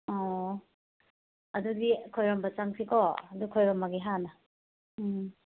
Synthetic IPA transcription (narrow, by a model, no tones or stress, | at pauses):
ɔ | ɐdudikʰojɾɔmbɐt͡ʃaŋsʰikʰɔɐdukʰojɾɔmːɐɡiɦanɐ